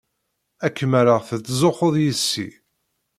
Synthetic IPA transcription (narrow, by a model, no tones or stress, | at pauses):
ækːmæɾəʁθət͡sːzoχoðˤjəsːḭ